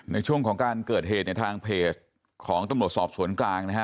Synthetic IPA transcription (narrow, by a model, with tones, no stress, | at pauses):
na˧jt͡ɕʰu˥˩əŋkʰɔː˩˦ŋkaː˧nkɤː˨˩t̪̚ɦeː˨˩t̪̚na˧jt̪ʰaː˧ŋpʰeː˨˩s | kʰɔː˩˦ŋt̪a˧mɾu˨˩ə˩t̪sɔː˨˩p̚su˩˦ənklaː˧ŋna˦˥kʰa˦˥